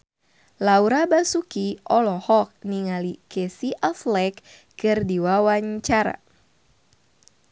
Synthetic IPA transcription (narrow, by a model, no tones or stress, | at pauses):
lauɾabasukiɔlɔhɔk̚niŋalikɛsiʔaflɛkː | ɨrdiwawaɲt͡ʃaɾa̰